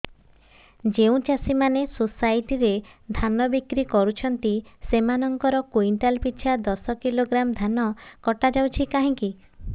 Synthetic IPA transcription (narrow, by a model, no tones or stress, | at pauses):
d͡ʒeũt͡ʃasimanesosajʈiɾed̪ʱanɔbikɾikɔɾut͡ʃʰɔnt̪isemanɔŋkɔɾɔkuinʈalpitːt͡ʃʰad̪ɔsɔkiloɡɾamd̪ʱanɔkɔʈad͡ʒawt͡ʃʰikaɦĩŋki